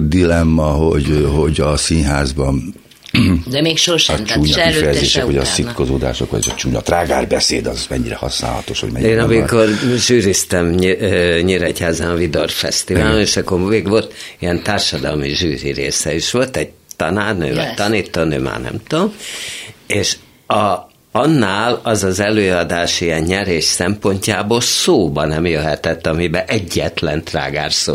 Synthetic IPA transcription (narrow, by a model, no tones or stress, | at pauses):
d̪ilɛmːɒɦoɟhoɟɒsinɦaːzbɒn | d̪ɛmeːkʃorʃt͡ʃuːɲɔifɛjɛzeːʃɛkkʋoɟɒsikozoːd̪a̰ːʃo̰kʋɔ̰ɟɛzɒt͡ʃuːɲɒt̪raːɡaːrbɛsḛːd̪ɒzmɛɲːiɾɛhɒsna̰ːlhɒ̰t̪oʃho̰ɟmɛ̰ɟeːnɒmikorʒyːɾist̪ɛm | ɲiɾɛchaːzɛnɒvid̪orfɛ̰st̪ivaːloneʃɒkːormeːɡʋo̞lt̪iɛnt̪aːrʃɒd̪ɒ̰lmiʒyːɾḭɾḛːsɛiʃʋo̞lt̪ɛɟ̚ | t̪ɒnaːrnø̰ːvɛ̰t̪ɒniːt̪ːonø̰ːma̰ːrnɛ̰mt̪om | eːʃ | ɒ | ɒnːaːlɒzɒzɛløːɒd̪aːʃijɛɲɲɛɾeːʃsɛmpo̞ɲcaːboːlsoːbɒnɛmjøɦɛt̪ɛt̪ːɒmibɛʔɛɟːɛt̪lɛnt̪ra̰ːɡa̰ːrso̰ː